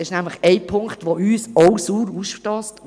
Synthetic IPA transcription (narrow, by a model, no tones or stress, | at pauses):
ɪʃnæmləχɛɪpʰʊŋktʋoyːsɔwsuːɾusʃtɔːst